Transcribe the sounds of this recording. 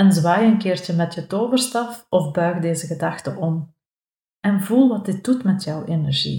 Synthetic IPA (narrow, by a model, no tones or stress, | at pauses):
ɛnzʋaːjəŋkɪːrtəmɛtjətoːvərstɑfɔvbœɥɣdeːzəɣədɑxtəʔɔm | ɛnvulˠʋɑt̚dɪt̚dutmɛtjœwenɛrʒḭ